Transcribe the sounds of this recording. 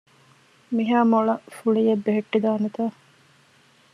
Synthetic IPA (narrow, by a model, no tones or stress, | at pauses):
miɦaːmoɭɐfuɭijebːeɦeʈːid̪aːnet̪aː